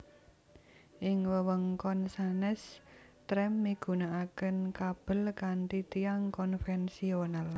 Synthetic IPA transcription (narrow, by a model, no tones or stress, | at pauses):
ʔɪŋwəwəŋkɔnsanɛs | t̪ɾɛmːiɡ̥ṳnaʔakənkab̥ə̤lkaɳʈit̪iaŋkɔnfɛnsional